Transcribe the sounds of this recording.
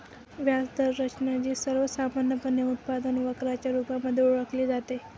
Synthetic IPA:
ʋjasd̪əɾɾət͡ɕnjad͡ʑiːsəɾʋəsamanjəpənjəut̪̚pad̪ənʋəkɾat͡ɕjaɾupaməd̪ʱːjeuɭəkliːd͡zat̪e

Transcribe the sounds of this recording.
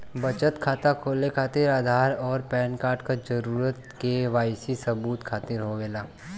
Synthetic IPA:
bɐt͡ʃət̪kʰaːt̪akʰoːlekʰaːt̪ɪɾaːd̪ʱaːɾɔːɾpɛːnkaːɾʈkad͡ʒəɾuːɾət̪keʋaːjsisəbuːt̪kʰaːt̪ɪɾɦoɡeːlaː

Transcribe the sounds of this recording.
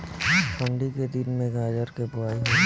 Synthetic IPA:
pəɳɖiked̪ɪnmẽɡaːd͡ʒəɾkepʊaːiɦɛ̃

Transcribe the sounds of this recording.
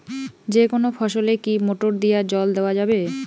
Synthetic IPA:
d͡ʑekonofʰɔʃolekimoʈoɾd̪ijad͡ʑɔld̪eoad͡ʑabe

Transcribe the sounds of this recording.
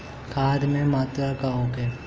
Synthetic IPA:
kʰaːd̪mẽmaːt̪ɾakaõke

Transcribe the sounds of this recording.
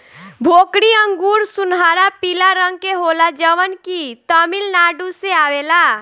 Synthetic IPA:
bʱokɽiəŋɡuɾsunɦaɾapilaɾəŋɡ̚keɦolad͡ʒəʋənkit̪əmilnaɖuseawela

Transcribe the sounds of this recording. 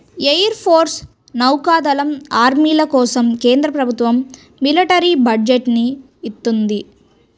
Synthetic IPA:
ejɐɾpʰoːɾs | nɐwkaːd̪ɐlɐmaːɾmiːlɐkɔːsɐmkeːnd̪ɾɐpɾɐbʱut̪ʋɐmː | ilɐʈɐɾibɐɖd͡ʒeʈniː | t̪ːund̪i

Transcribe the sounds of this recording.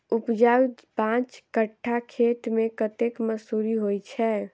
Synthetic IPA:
upd͡ʒawpãt͡ʃkəʈʰːakʰet̪mekət̪ekməsuɾiɦojt͡ʃʰɛ

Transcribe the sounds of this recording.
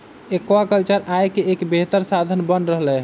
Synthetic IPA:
ekʋakəlt͡ʃəɾʔajkeekbeɦt̪əɾsad̪ʱənbənɾəɦlɛ

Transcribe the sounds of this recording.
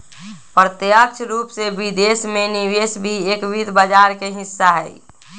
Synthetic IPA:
pəɾt̪jək̚t͡ʃʰɾuːpsebid̪esmeniʋesbʱieːkʋid̪ʱbəd͡ʒaːɾkeɦɪsːaɦɛi

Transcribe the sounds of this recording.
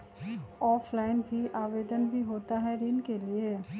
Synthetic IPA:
ɔːfʰlaːɪnbʱiʔaːʋeːd̪ənbʱiɦoːt̪aɦɛɾinkelie

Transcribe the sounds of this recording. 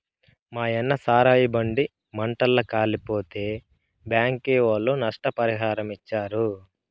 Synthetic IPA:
maːjɛnːɐsaːɾaːjibɐɳɖi | mɐɳʈɐlːɐkaːlipoːt̪eː | bjaːŋkeːʋɐlonɐʂʈɐpɐɾiɦaːɾɐmit͡ʃːaːɾu

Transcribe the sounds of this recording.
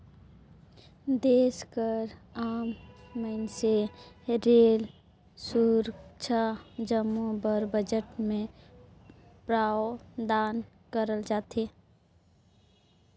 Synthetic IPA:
d̪eːskəɾaːmːəɪnseɾeːl | suɾt͡ʃʰad͡ʒəmːubəɾbəd͡ʒəʈmẽ | pɾaːod̪aːn | kəɾəld͡ʒaːt̪eː

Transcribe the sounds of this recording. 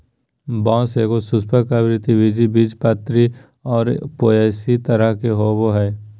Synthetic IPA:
bãːsekosʊspəkaʋɾɪt̪iʋid͡ʒibid͡ʒpət̪ɾi | ɔːɾpoeːsit̪əɾəɦkeɦoboɦɛː

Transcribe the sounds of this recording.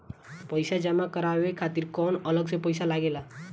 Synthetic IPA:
pəɪsad͡ʒəmakəɾaʋekʰat̪iɾkɔnələɡsepəɪsalaɡela

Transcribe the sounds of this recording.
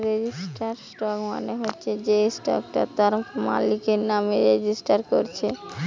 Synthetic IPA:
ɾed͡ʑisʈaɾsʈɔkmo̰neɦotːɕʰed͡ʑejsʈɔ̰kʈat̪aɾma̰likeɾnameɾed͡ʑisʈaɾko̰ɾt͡ɕʰe

